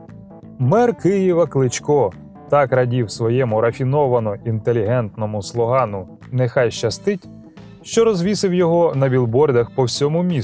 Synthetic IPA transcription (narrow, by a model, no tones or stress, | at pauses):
mɛrkɪjiʋɐklˠɪt͡ʃkɔ | t̪ɑkɾɐdʲiwsʋɔjɛmʊɾɐfʲinɔʋɐnɔʔint̪elʲːiɦɛnt̪nɔmʊslˠɔɦɑnʊ | nɛxɑjʃt͡ʃɐst̪ɪtʲ | ʃt͡ʃɔɾɔzʋʲisɪwjɔɦɔnɐbʲilˠbɔrd̪ɐxpɔwsʲɔmʊmʲi